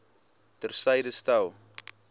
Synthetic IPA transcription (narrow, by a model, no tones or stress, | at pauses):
tərsəjdəstɐw